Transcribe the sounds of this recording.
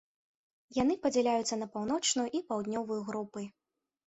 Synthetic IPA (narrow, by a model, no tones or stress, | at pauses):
jan̪ɨpɐd͡zʲɛlʲajut̪sːɐnɐpawn̪ɔt͡ʂnujuʔipawd̪ʲnʲɔvɐjuɣɾupɨ